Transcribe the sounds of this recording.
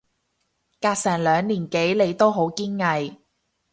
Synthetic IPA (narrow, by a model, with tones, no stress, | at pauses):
kaː˧k̚sɛː˨˩ŋlœː˨˧ŋliː˨˩nke˨˥jle˨˧jt̪o˥wɦo˨˥wkiː˥nŋɐ˨˧j